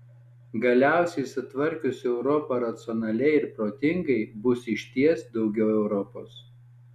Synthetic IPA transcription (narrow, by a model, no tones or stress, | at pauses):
ɡɐlʲæˑʊsʲɛɪsʊt̪ʋɐɾʲkʲʊsʲɛʊɾɔpɐɾɐt̪sʲɔnɐlʲɛɪɪɾpɾoːt̪ʲɪŋɡɐɪbʊsɪʃʲt̪ʲiɛsd̪ɒʊɡʲɛʊɛʊɾɔpo̰ːs